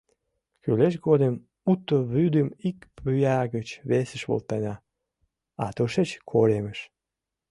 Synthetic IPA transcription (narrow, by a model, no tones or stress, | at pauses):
kyleʃ̬ɡod̪em | ut̪ːoβyd̪əmikpyjaɡət͡ɕβesə̆ʃβo̰lt̪anʲɑ | at̪oʃet͡ɕkʰoɾʲeməʃ